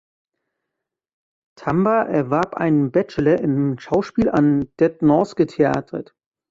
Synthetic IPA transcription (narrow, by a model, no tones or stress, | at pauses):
tʰambaʔɛɐvaɐpʔa̰ɪnənbɛt͡ʃəlɐʔɪnʃaʊʃpiːlʔa̰nd̥ɛtnɔsɡ̥ətʰea̰ːtʰət